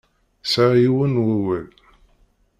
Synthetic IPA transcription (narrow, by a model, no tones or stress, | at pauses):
saʕjiwənwæwæl